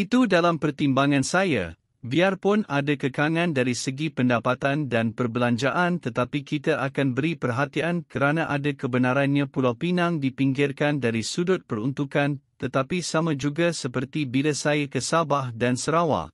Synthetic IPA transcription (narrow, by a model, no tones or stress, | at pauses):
ʔit̪udalampərt̪imbaŋãnsaja̰ | biarpʊnadakəkaŋãndaɾisəɡipəndapat̪andanpərbəlaɲd͡ʒaʔant̪ət̪apikit̪əʔakanbəɾipərɦat̪iankəɾanãʔadakəbənaɾanɲãpulawpinãŋdipiŋɡɪrkandaɾisudʊt̪̚pəɾunt̪ukant̪ət̪apisamãd͡ʒuɡasəpərt̪ibiləsajakəsabahdansəɾawa̰